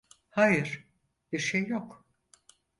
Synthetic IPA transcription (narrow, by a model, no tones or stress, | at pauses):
hajɯɾ̥ | b̥iɾʃejːok